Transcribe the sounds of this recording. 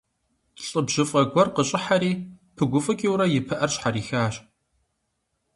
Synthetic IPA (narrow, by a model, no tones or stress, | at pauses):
ɬʼɨbʒ̥ɨfʼɐɡʷɔrqəɕʼɪħaɾiːpʰɨɡʷʊfʼɨkʼiwɾɐjɪpʰɨʔɐrɕħaɾiːxaːɕ